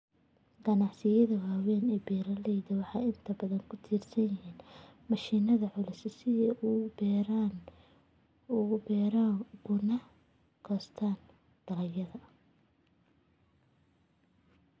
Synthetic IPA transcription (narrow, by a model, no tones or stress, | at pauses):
ɡ̥ɐnɑʕsɪjɐðɐwaːwɛːnɛːbɛːɾɐlɛjdɐwɑħɑjɪnt̪ʰɐbɐðɐŋkʰʊt̪ʰiːrsɐnjɪɦiːnmɑʃiːnɐðɐʕʊlɪsɐsɪʔubɛːɾaːn | ubɛːɾaːɡʊnɐ | ɡ̥ʰɔːst̪ʰaːn | d̪̥ɐlɐjɐðɐ